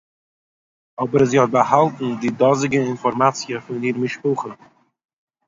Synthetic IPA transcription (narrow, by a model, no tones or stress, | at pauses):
ɔbəɾziːhɔt̚bəhalˠtn̩dɪdɔzɪɡəɪnfɔɾmat͡sjəfʊniːɾmɪʃpuːχə